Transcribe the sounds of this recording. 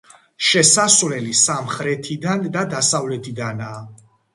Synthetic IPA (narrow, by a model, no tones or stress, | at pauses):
ʃɛsasvlɛlisamχɾɛt̪ʰid̪and̪ad̪asavlɛt̪ʰid̪anaː